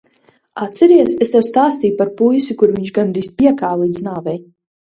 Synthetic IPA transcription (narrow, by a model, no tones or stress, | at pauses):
at̪sɛɾiɛsest̪ɛwst̪aːst̪iːpaɾpujsʲukuɾviɲʲt͡ʃɡand̪ɾispʲiɛkaːlˠid̪znaːvɛj